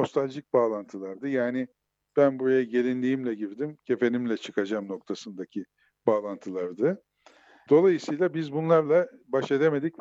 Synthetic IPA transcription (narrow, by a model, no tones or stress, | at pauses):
o̞st̪ʰalʲʒic̚baːlˠant̪ʰɯlˠaɾd̪ɯjaːnɪ | b̥ænbuɾajaɟe̞lʲinlʲiːimlʲɛɟiɾd̪imcʰe̞fe̞nimlʲɛt͡ʃʰɯkʰad͡ʒamno̞k̚t̪ʰasɯnd̪acʰi | b̥aːlˠant̪ʰɯlˠaɾd̪ɯ | d̪o̞lˠajɯsɯjlˠabizbunlˠaɾlˠabaʃed̪e̞me̞d̪ic